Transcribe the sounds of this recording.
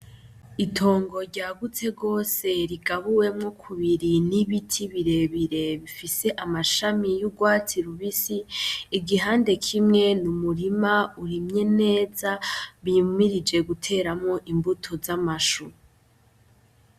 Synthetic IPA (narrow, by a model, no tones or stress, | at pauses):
itʰo̞ːŋɡo̞ɾɟaːɡut͡se̞ɡo̞ːse̞ɾiɡaβuwe̞mŋo̞kʰuβiɾiniβitʰiβiɾe̞βiɾe̞βifise̞ʔamaʃamijuɡwaːt͡siɾuβisiːɡiɦaːnde̞kʰimŋe̞numuɾimauɾimɲe̞ne̞ːzaβimiɾid͡ʒe̞ɡutʰe̞ːɾamŋo̞ʔimbutʰo̞zamaʃu